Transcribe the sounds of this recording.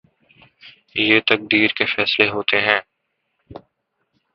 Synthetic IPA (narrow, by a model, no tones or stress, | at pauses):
jeːt̪ək̚d̪iːɾkefɛːsleɦoːt̪eɦɛ̃ː